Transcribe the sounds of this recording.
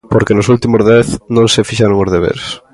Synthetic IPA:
poɾkenʊsult̪imʊzðɛθnõŋsefiʃaɾoŋozðeβḛɾs

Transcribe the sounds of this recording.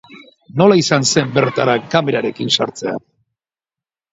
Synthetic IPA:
no̞laisanse̞mbe̞ɾt̪aɾakame̞ɾaɾe̞kinsaɾt͡se̞a̰

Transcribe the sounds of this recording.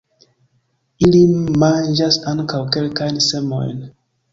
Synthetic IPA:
ilimand͡ʒasaŋkawkelkajnsemo̰jn

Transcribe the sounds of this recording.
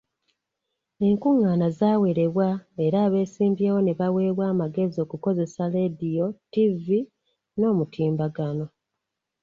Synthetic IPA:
e̞ŋkuŋːaːnazaːwe̞ɾe̞βwae̞ɾaːβe̞ːsiːmbjeːwo̞ne̞βawe̞βwaːmaɡe̞zio̞ːkuko̞ze̞sale̞dijo̞tivi | no̞ːmutʰiːmbaɡano̞

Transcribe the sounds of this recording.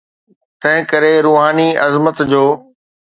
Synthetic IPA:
t̪ɐ̃ɦɪ̃kɐɾeɾuːɦaːniʔɐzmət̪d͡ʑoː

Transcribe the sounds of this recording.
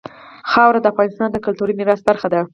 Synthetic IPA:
xɑwɾad̪əafɣɑnɪst̪ɑnd̪əkʊlt̪uɾimɪɾast̪̚baɾxad̪a

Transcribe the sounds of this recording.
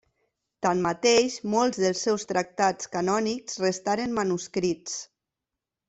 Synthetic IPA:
t̪anmat̪eʃmolˠzðəlˠsːɛwst̪ɾak̚t̪at͡skanɔnikzrest̪aɾemmanuskɾit͡s

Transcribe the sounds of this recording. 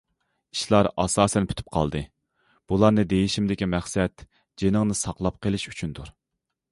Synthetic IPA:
i̥ʃlˠɑɾɑsɑːsɛnpʰy̥t̪ʰy̥p̚qʰɑ̰lˠd̪ɨ | b̥ulˠɑɾnɨd̪ejiʃimd̪ɪkʲimæχsɛt̪ | d͡ʒenəŋnɨsɑqlˠɑp̚qʰəlˠɪʃy̥t͡ʃʰynt̪uɾ

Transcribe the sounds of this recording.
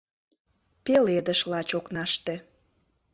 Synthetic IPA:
peled̪əʃlɑt͡ɕoknɑʃt̪e

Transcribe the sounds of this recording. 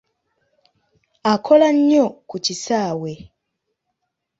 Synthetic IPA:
akʰolaɲːokucisaːwe

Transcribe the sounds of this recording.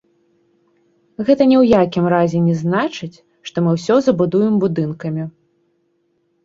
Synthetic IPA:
ɣɛt̪ɐnʲɛwjakʲimɾazʲɛnʲɛznat͡ʂɨt͡sʲ | ʂt̪ɔmɨwsʲɔzɐbud̪ujɛmbud̪ɨnkɐmʲi

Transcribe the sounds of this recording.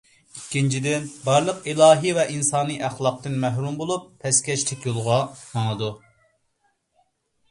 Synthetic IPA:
ikʲːint͡ʃʰid̪ɪnbɑɾlˠəqilˠɑːɦɨvɛʔinsɑːnɨʔæχlˠɑq̚t̪ɨnmæɦɾumbolˠupʰːɛskʲɛʃlɪkʲjolˠʁɑmɑŋˠɨd̪u

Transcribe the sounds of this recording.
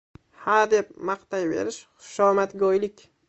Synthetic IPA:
haɾd̪e̞pmaqt̪ajbe̞̰ɾɪʃχʊ̥ʃɒmat̪ɡʲɒjlɪkʲ

